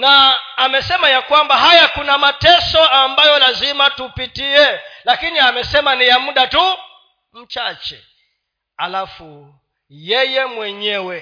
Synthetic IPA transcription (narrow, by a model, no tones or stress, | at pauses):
naːmɛsɛmajakwambaɦajakunamatɛsɔambajɔlazimatupitiɛlakiniamɛsɛmanijamuɗatu | m̩t͡ʃat͡ʃɛ̰ | alafu | jɛjɛmwɛɲɛwɛ